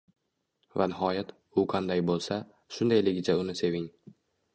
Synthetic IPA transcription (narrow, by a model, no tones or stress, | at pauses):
va̰nɪɦɒjat̪ | ʊqʰɑnd̪ajbolˠsa | ʃʊnd̪ajlɪɡʲɪt͡ʃʰaʊnɪse̞vɪŋ